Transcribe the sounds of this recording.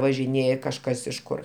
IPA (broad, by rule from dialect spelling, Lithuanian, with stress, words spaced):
ʋɐʒʲɪˈnʲeːjɛ kɐʃˈkɐs ɪʃ ˈkʊr